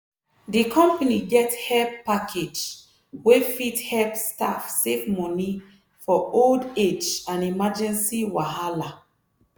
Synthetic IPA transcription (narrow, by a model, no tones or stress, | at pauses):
dikʰɔ̃mpaniɡɛthɛlppakʰed͡ʒ | wefithɛlpsta̰fsefmɔni | fɔolded͡ʒãnimad͡ʒɛ̃nsiwaɦala